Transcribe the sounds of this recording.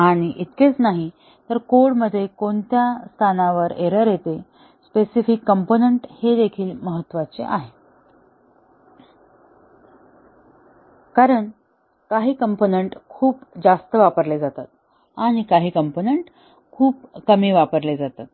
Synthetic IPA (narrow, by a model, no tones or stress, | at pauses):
aɽ̃iʔit̪̚ket͡snaɦi | t̪əɾkoɽməd̪ʱːjekoɳt̪jast̪ʰanaʋəɾeɾəɾjet̪e | spesifikːəmponəɳʈhed̪ekʰiːlməɦət̪ːʋat͡sḛʔaɦe | kaɾəɳ | kaɦiːkəmponeɳʈkʰuːpd͡zast̪əʋapəɾled͡zat̪at̪̚ | aɽ̃ikaɦiːkəmponeɳʈ | kʰuːp̚kəmiːʋapəɾled͡zat̪at̪̚